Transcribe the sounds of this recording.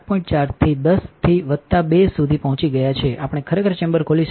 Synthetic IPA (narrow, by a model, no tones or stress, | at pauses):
pɔ̃ĩɳʈt͡ʃaɾt̪ʰid̪əst̪ʰiʋət̪ːabesud̪ʱipəɦɔ̃t͡ʃiɡəjat͡ʃʰeʔapɽ̃ekʰəɾekʰəɾt͡ʃẽmbəɾkʰoliʃ